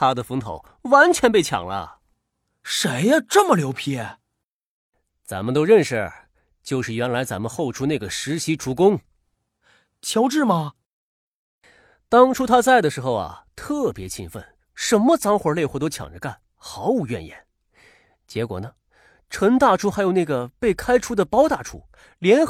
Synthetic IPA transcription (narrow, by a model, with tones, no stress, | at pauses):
t̪ʰa˥d̪ə˨fə˧˥ŋt̪ʰo̰˧˩˦ʊ | wa˧˥nt͡ɕʰɥɛ˧˥np̬e˥˩ɪt͡ɕʰjɑ̰˨˩ŋlə̰˦ | ʂe˧˥ɪa˧ʈ͡ʂə˥˩mə˨ljo˧˥ʊpʰɛ˥˩ | t͡sa̰˧˥nmə˨nt̪̬o˥ʊɻə˥˧nʂɻə˥˩˥ | t͡ɕjo˥˧ʊʂɻ̩˥˩ɥɛ˧˥nla˧˥ɪt͡sa˧˥nmə˧nxo˥˩ʊʈ͡ʂʰu˥na˥˩ɡə˩ʂɻ̩˧˥ɕi˧˥ʈ͡ʂʰu˧˥kʊ˥ŋ | t͡ɕʰjɑ˧˥ʊʈ͡ʂɻ̩˥˩mɐ˩ | t̪ɑ˥ŋʈ͡ʂʰu˥t̪ʰa˥t͡sa˥˩ɪd̪ə˩ʂɻ̩˧˥xo˥˧ʊɐ̰˩t̪ʰɤ˥˩pjɛ˧˥t͡ɕʰḭ˥nfə̰˥˩n | ʂə˧˥nmə˧t͡sɑ˧˥ŋxwə˧˥le˥˧ɪxwɔ˥˩t̪o˥t͡ɕʰjɑ̰˨˩ŋʈ͡ʂə˧˦ka˥˩n | xɑ˧˥ʊu˧˥ɥɛ̰˥˧njɛ̰˨˩˦n | t͡ɕjɛ˧˥kwɔ̰˨˩nə˦ | ʈ͡ʂʰə˧˥ŋt̪a˥˩ʈ͡ʂʰu˥xa˧˥ɪjo˨˩ʊna˥˩ɡə˩pe˥˩ɪkʰa˥ɪʈ͡ʂʰu˥d̪ə˨pɑ˥ʊt̪a˥˩ʈ͡ʂʰṵ˥ | ljɛ˧˥n